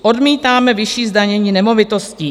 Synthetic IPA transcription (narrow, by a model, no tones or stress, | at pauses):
ʔo̞dmiːt̪aːmɛvɪʃiːzdaɲɛɲiːnɛmo̞vɪt̪o̞sci